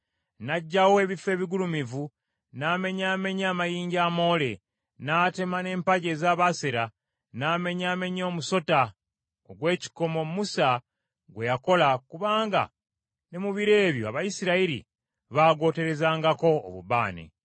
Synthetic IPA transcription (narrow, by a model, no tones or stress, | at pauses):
naɟːawo̞e̞βife̞ːβiɡulumivu | naːme̞ɲaːme̞ɲaːmajiːɲɟaːmo̞ːle̞ | naːte̞mane̞ːmpaɟe̞ːzaːβaseɾa | naːme̞ɲaːme̞ɲoːmuso̞ta | oɡwe̞ːci̥ko̞mo̞musa | ɡwe̞jako̞lakuβaːŋɡa̰ | nemuβiɾe̞ːβjo̰a̰βajisiɾaiɾḭ | βaːɡo̞ːte̞ɾe̞zaːŋɡako̞̰ːβṵβa̰ːnḛ